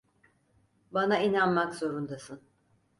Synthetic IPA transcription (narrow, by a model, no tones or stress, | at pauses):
banainanmakzo̞ɾund̪asɯn